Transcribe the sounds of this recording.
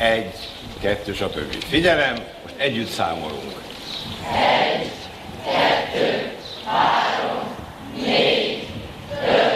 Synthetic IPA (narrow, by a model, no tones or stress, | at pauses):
ɛɟː | kɛt̪ːøːʃɒt̪ø̰bːḭfiɟɛlɛmːoʃt̪ɛɟːyt̪sa̰ːmo̰lo̰ːo̰lt̪ | ɛ | kɛt̪ːøː | haːɾom | neːɡ̪ | ø